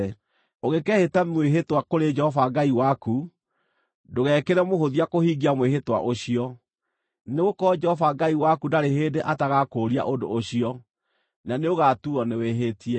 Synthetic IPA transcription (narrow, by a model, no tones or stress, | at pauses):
oɣekɛhetamweɦetwakoɾed͡ʒɛhɔvaɡaiwaku | doɣɛːkeɾɛmohoðiakohiɡiamweɦetwa̰ʔoɕiɔ | neɣokɔd͡ʒɛhɔvaɡaiwakudaɾeɦeːdeʔataɣakoɾia̰ʔondo̰ːɕiɔ | naneoɣatuɔneweɦetiɛ